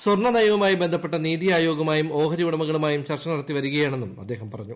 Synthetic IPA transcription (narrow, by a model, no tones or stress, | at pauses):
sorɳɐnɐjɐʋɐmaːjibend̪ʱɐpːe̞ʈːɐniːðijaːjoːɡɐmaːjumo̞ːɦɐɾiʋuɽɐmɐɣɐɭumaːjumt͡ɕɐrt͡ɕɐnɐɽɐt̪ːiʋɐɾuɣɐjaːɳenːumɐ̰d̪ːe̞ːɦɐmpɐrɐɲːu